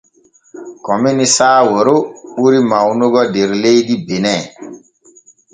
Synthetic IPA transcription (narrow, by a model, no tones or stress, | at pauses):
kɔminisaːwoɾoɓuɾimawnuɡɔdeɾlejdibenɛ